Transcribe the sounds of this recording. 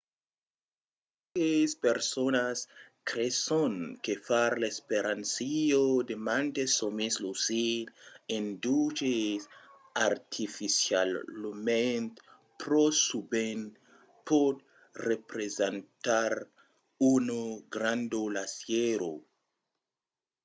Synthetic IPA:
kespeɾsonas | kɾesonkefaɾlaespeɾʔansiod̪emant̪esomislusiɾendut͡ʃes | aɾt̪ʰifisijalment̪ | pɾosuben | pod̚ | repɾezentaɾ | unoɡɾand̪olasjeɾo̰

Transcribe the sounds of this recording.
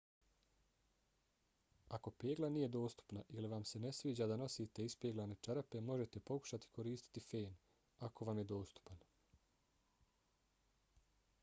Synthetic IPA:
ako̞pe̞ːɡlanije̞d̪o̞ːst̪u̥pnaʔiliʋamse̞ne̞sʋiːd͡ʑaːd̪ano̞siːt̪e̞ispjeːɡlane̞t͡ʃaɾpe̞mo̞ʒe̞t̪e̞po̞ku̥ʃat̪i̥ko̞ɾiːst̪i̥t̪ifeːn | ako̞ʋamjed̪o̞ːst̪u̥pan

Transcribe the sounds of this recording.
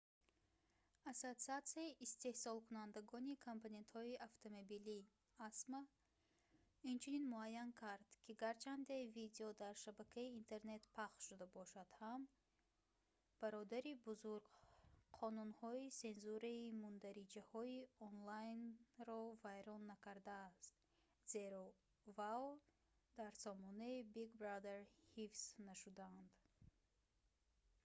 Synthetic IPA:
asot̪siat̪siaiʔist̪e̞hsɔlˠkunand̪aɡɔnikʰompʰone̞nt̪hɔiʔaft̪ʰomobili | asma | int͡ʃʰininmuajːankʰaɾd̪̥kʰiɡaɾt͡ʃʰand̪e̞vid̪eɔd̪aɾʃabakʰaiːnt̪ʰe̞ɾne̞t̪pʰaχʃud̪abɔʃad̪̥ham | b̥aɾɔd̪aɾibuzuɾɡqʰɔnunhɔise̞nzuɾaimund̪aɾid͡ʒahɔiɔnlajnɾɔvajɾɔnːakʰaɾd̪aːst̪ | z̥e̞ɾɔ | vaw | d̪aɾsɔmɔnaibiɡbɾad̪eɾhifsnaʃud̪aːnd̪

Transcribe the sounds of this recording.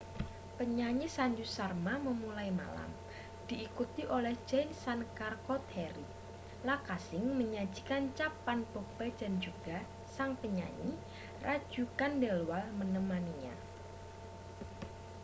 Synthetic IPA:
pəɲaɲisaɲd͡ʒusarmaməmulajma̰la̰m | d̥iʔːkut̪iʔolɛhd͡ʒansankarkot̪hɛɾi | lakasɪŋməɲḁd͡ʒ̥i̥kant͡ʃapanb̥ob̥ḁd͡ʒ̥a̤nd͡ʒuɡ̥a | saŋpəɲa̰ɲi | rʔḁd͡ʒukandɛlwalmənəmaniɲa̰

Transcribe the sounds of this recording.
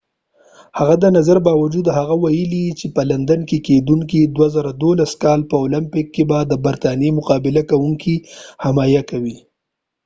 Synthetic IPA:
haɣad̪ənazaɾbɑwad͡ʒud̪haɣawajəlit͡ʃepəland̪ankeked̪uŋkid̪wazaɾad̪olaskɑlpəolampɪkːebad̪əbaɾt̪ɑnjemʊqɑbɪlakawuŋkʰihamɑjakawi

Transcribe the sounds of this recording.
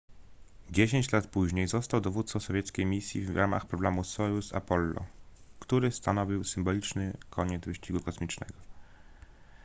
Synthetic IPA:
d͡ʑeɕeɲt͡ɕlat̪puʑɲejzɔst̪awd̪ɔvut̪sɔsɔvʲjɛt̪skʲejmʲisʲjḭvɾʔama̰xpɾɔblamusɔjusa̰pɔlːɔ̰kt̪uɾɘst̪anɔvʲiwsɘmbɔlʲit͡ʂnɘkʰɔɲɛd̪zvɘɕt͡ɕiɡukɔsmʲit͡ʂnɛ̰ɡɔ

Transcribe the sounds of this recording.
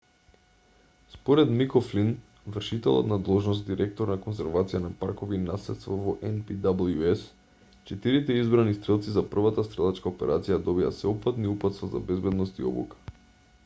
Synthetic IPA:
spɔɾɛd̪mikɔflin | vr̩ʃit̪ɛlˠɔ̰t̪nad̪lˠɔʒnɔst̪̚d̪iɾʔɛk̚t̪oɾnakonsɛɾvat̪sijanapaɾkɔviːnaslɛt̪st̪vavɔʔɛnpid̪abl̩ˠjuɛs | t͡ʃɛt̪iɾit̪ɛizbɾanist̪ɾɛlˠt̪sizapr̩vat̪ast̪ɾɛlˠat͡ʃkaopɛɾʔat̪sijad̪ɔbia̰sɛɔpat̪niupat̪st̪vaza̰bɛzbɛd̪nɔst̪iɔ̰bṵkḁ

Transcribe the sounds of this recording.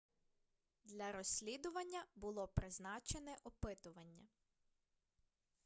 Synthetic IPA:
d̪lʲɐɾɔsʲlʲid̪ʊʋɐnʲːɐbʊlˠɔpɾɪznɑt͡ʃenɛʔɔpɪt̪ʊʋɐnʲːɐ̰

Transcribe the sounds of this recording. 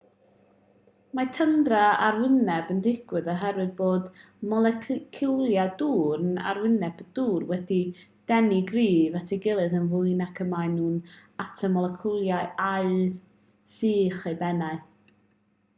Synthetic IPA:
matʰəndraaɾwɪnɛbəndɪɡ̥wɨðɔɦɛɾwɨðboːd | mɔlˠɛkʰkʰɪlˠjaduːrəna̰rwɪnɛb̥d̥uːrwɛdid̥ɛniɡriːvatʰiɡɪlˠɨðənvʊɨnakʰəmaɨnuːnatʰəmɔlˠɛkʰulˠjaaɨr | siːχebɛnaɨ

